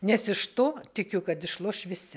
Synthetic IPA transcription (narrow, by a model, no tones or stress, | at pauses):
nʲɛsɪʃt̪oːt̪ʲɪkʲʊkɐt̪ɪʃlˠoːʃʋʲɪsʲɪ